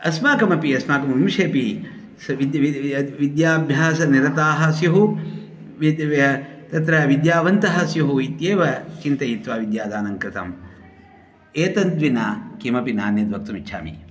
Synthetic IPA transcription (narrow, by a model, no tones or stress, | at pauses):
ɐsmaːkɐmɐpiɐsmaːkɐmɐmimʂeːpi | siiʋid̪jaːbʱjaːsɐniɾɐt̪aːɦɐsjɐɦu | t̪ɐt̪ɾɐʋid̪jaːʋɐnt̪ɐɦɐsjɐɦuit̪jeːʋɐt͡ʃint̪ɐjit̪ʋaːʋid̪jaːd̪aːnɐŋkɾɪt̪ɐm | eːt̪ɐnd̪ʋinaːkimɐpina̰ːnjɐd̪ʋɐk̚t̪umit͡ʃːt͡ʃʰa̰ːmḭ